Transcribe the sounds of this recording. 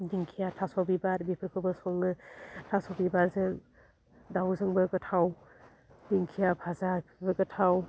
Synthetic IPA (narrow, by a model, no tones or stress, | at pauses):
diŋkʰijatʰasɔbibaɾbipʰɯɾkʰɯbɯsɔŋɯtʰasɔbibaɾzɯŋ | dawzɯŋbɯkɯtʰaw | diŋkʰijabʰʱazapʰibɯkɯtʰaw